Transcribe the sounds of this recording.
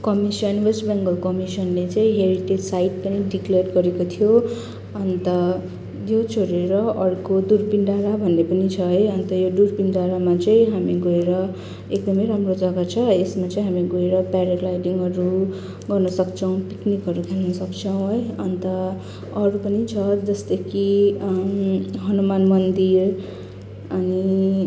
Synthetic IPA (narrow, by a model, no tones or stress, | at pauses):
kʌmisʌnwʌsbaŋɡʌlkʌmisʌnlet͡sʌĩɦeɾiʈed͡zsaiʈ̚pʌniɖiklerɡʌɾekot̪ʰijo | ʌnt̪ʌ | jot͡sʰoɾeɾʌʔʌɽkodurpinɖaɾabʱʌnːepʌnit͡sʰʌɦʌjʌnt̪ʌjodurpinɖaɾamat͡sʌĩɦamiɡoeɾʌ | ek̚d̪ʌmʌjɾamrod͡zʌɡat͡sʰʌesmat͡sʌĩɦamiɡoeɾʌpaɾeʈlajʈiŋɡɦʌɾu | ɡʌrnʌsʌkt͡sʰʌ̃w̃piknikɦʌɾukʰelnʌsʌkt͡sʰʌw̃ɦʌjʌnt̪ʌ | ʌɽupʌnit͡sʰʌd͡zʌst̪ʌkʰi | ɦʌnumanmʌnd̪ir | ʌni